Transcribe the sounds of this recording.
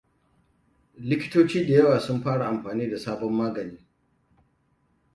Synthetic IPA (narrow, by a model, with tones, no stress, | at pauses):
lɪ˦kʲɪ̥˦toː˦t͡ʃiː˦da˨jɐ˦waː˨sʊ˦mɸaː˦ɽa˨ʔa˨mɸaː˨niː˦da˨saː˦bɔ˦mːaː˦ɡɐ˨niː˦